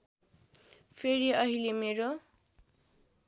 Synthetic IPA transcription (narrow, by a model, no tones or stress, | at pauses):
pʰeɾiʌɦilemeɾo